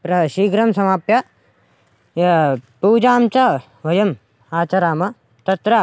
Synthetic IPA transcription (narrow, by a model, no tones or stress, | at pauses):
pɾɐʃiːɡɾɐmsɐmaːpjɐ | puːd͡ʒaːmt͡ʃɐ | ʋɐjɐm | aːt͡ʃɐɾaːmɐ | t̪ɐt̪ɾɐ